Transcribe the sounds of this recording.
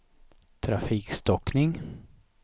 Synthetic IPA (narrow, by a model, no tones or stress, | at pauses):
t̪ʰɾafiːkst̪ɔknɪŋ